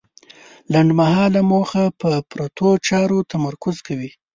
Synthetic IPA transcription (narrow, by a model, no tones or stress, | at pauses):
laɳɖmahɑlamoxapəpɾat̪ot͡ʃɑɾot̪amaɾkʊzkawi